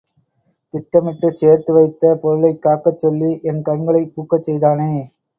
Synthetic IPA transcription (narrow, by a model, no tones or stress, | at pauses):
t̪ɪʈːɐmɪʈːɯt͡ʃeːɾt̪ɯʋɐɪt̪ːɐpɔɾɯlɐɪkːaːkːɐt͡ʃːɔlːiʔɛnkɐɳɡɐɭɐɪpːuːkːɐt͡ʃːɛjðaːneː